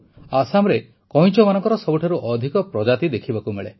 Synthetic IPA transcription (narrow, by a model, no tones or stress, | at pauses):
asamɾe | kɔj̃t͡ʃɔmanɔ̃ŋkɔɾɔsɔbuʈʰaɾuʔɔd̪ʱikɔpɾɔd͡ʒat̪id̪ekʰibakumeɭe